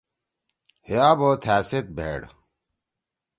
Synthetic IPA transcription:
hjaːboːt̪ʰæːset̪̚bʱḛːɽ

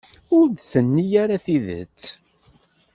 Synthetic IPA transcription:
ʊɾd̪sənːijaɾaθiðə̰t͡sː

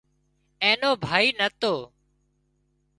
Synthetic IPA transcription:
ẽːnoːbʱaːiːnət̪oː

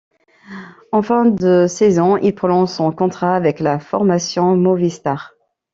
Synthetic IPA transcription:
ɑ̃fɛ̃d̪əsɛzɔ̃ḭlpχɔnɔ̃sɔ̃kɔ̃t̪χaːvɛklafɔʁmasjɔ̃movist̪aʁ

